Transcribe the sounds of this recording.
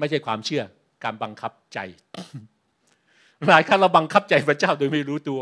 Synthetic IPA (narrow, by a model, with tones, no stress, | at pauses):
ma˥˩jt͡ɕʰa˥˩jkʰwaː˧mt͡ɕʰɯ˥˩ɐ | kaː˧nba˧ŋkʰa˦˥p̚t͡ɕa̰˧j | ɾaː˨˩jkʰaː˥˩ɾa˧wba˧ŋkʰa˦˥p̚t͡ɕa˧jpʰɾa˧˥t͡ɕaː˥˩wdoː˧jma˥˩jɾuː˦˥t̪u˧ɐ